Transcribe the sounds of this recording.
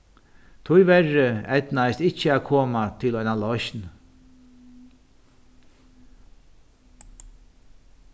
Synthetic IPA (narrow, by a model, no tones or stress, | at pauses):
t̪ʰʊjʋɛrɪɛt̪najst̪ɪt͡ʃːəæːkʰoːmat̪ʰɪlɔjnalɔʃn